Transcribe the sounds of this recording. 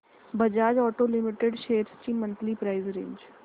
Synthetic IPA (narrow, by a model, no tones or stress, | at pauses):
bɐd͡ʒaːd͡ʒɔːʈolɪmɪʈeɖʃeːɾsʈiːmːə̃nt̪lipɾaːizɾẽːɲd͡ʒ